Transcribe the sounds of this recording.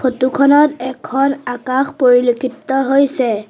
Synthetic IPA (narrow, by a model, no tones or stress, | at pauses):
pʰotukʰɔnɔtɛkʰɔnakaxpoɹilokʰitːɔɦojsɛ